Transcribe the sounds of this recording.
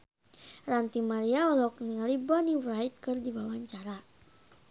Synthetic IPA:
rant̪imaɾiaɔlɔkniŋalibɔniwrajt̪̚kɨrdiwawaɲt͡ʃaɾa

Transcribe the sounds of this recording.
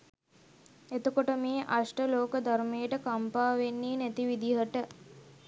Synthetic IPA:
et̪əkoʈəmeːʔaʂʈəloːkəd̪ʱaɾmejəʈəkampaːʋenːiːnæt̪iʋid̪iɦəʈə

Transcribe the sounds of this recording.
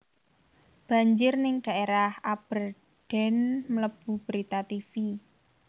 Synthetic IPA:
b̥a̤ɲd͡ʒɪrnɪŋɖ̥a̤ʔeɾahab̥ər | ɖ̥ɛ̤nmələb̥ṳb̥əɾit̪at̪ifi

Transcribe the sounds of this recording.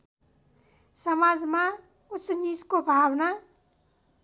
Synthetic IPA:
sʌmad͡zma | ut͡sːʌnit͡skobʱawna

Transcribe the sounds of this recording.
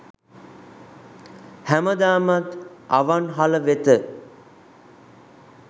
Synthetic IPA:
hæməd̪aːmat̪aʋanɦaləʋet̪ə

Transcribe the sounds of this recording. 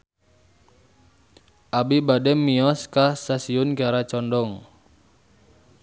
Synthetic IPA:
ʔabibadɛmːiɔskasasiʊnkaɾat͡ʃɔndɔŋ

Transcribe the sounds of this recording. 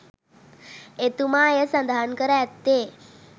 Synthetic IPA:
et̪umajesə̃nd̪ʱankəɾat̪ːe

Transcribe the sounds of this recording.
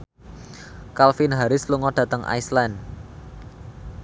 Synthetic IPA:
kalfinɦaɾɪsluŋɔɖ̥ä̤t̪əŋʔa̰jslan

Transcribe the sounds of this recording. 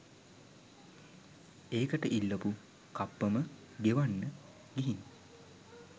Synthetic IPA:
eːkəʈəʔilːəpu | kapːəmə | d̪eʋanːə | ɡiɦiŋ

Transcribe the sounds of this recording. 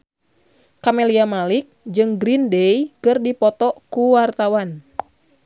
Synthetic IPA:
kameliamalik̚d͡ʒɨŋɡɾindejkɨrdipɔt̪ɔkuwart̪awan

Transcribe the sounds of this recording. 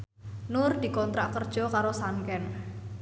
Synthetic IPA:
nʊrd̪̥i̤kɔnt̪ɾaʔkərd̥ʒ̥ɔ̤kaɾosaŋkɛn

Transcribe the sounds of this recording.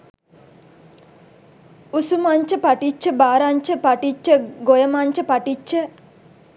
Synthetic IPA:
usumaɲt͡ʃəpaʈit͡ʃːəbaːɾaɲt͡ʃəpaʈit͡ʃːəɡojəmaɲt͡ʃəpaʈit͡ʃːə

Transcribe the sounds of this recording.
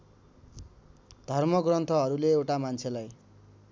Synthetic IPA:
d̪ʱʌrmʌɡrʌnt̪ʰʌɦʌɾuleewʈamant͡sʰelaj

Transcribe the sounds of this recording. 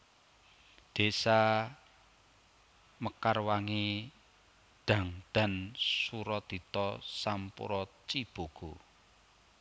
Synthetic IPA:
d̪̥e̤sa | məkarwaŋe | ɖ̪̥ä̤ŋɖ̪̥a̤nsuɾɔt̪i̤t̪ɔsampṵɾɔt͡ʃib̥o̤ɡ̥o̤

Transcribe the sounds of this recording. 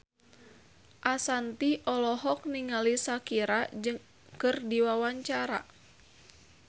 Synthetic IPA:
ʔasant̪iʔɔlɔɦɔk̚niŋalisakiɾad͡ʒɨŋ | kɨrdiwawaɲt͡ʃaɾa̰

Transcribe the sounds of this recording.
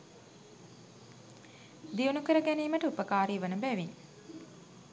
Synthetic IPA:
d̪iunukəɾəɡæniːməʈəupəkaːɾiːʋənəbæʋiɲ

